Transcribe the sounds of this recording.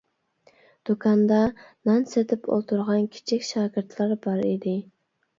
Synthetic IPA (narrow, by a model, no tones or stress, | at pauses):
d̪̥okʰɑnd̪ɑnɑnset̪ʰɪpʰo̰lˠt̪ʰuɾʁɑnkʲʰi̥t͡ʃʰikʲʃɑːɡʲɪɾt̪ʰlˠɑɾbɑɾḭd̪ɪ